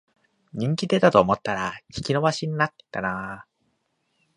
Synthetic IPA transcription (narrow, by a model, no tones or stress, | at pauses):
ɲ̟ĩŋkʲid̪e̞t̪at̪o̞ːmo̞t̪ːaɾaçʲi̥kʲino̞βaɕiɲ̟inat̪ːe̥t̪ːana